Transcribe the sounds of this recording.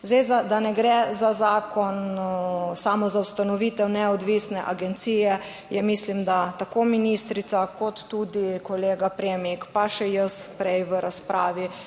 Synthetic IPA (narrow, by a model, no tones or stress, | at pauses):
zd̪ejzad̪anɛɡɾɛzazaːkɔn | samɔzawst̪anɔʋiːt̪ɛwnɛɔd̪ʋiːsnɛʔaɡɛnt̪sijɛ | jɛmiːslimd̪at̪akominiːst̪ɾit̪sakɔt̪ːud̪ikɔleːɡapɾeːmikpaʃɛjəspɾɛjʋəɾaspɾa̰ːʋi